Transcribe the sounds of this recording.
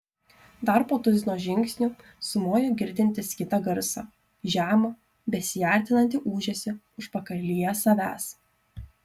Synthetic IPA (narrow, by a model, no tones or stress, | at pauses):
d̪ɐɾpoːt̪ʊzʲɪnoːʒʲɪŋʲksʲnʲʊ | sʊmoːjoːɡʲɪɾʲd̪ʲɪnʲt̪ʲɪskʲɪt̪ɑɡɐɾsɑ̰ː | ʒʲæːmɐ | bʲɛsʲɪjæˑɾʲt̪ʲɪnɐnʲt̪ʲɪʔuːʒʲɛsʲɪ | ʊʃpɐkɐɾʲlʲiːjɛsɐʋʲæːs